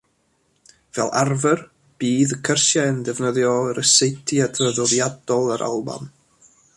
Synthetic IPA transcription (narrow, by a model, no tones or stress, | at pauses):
v̥ɛ̰lˠarvər | b̥iːðəkʰərsjaəndɛvnəðjɔəɾəsejtʰiadrəðɔðjadɔlˠəɾʔa̰lˠba̰n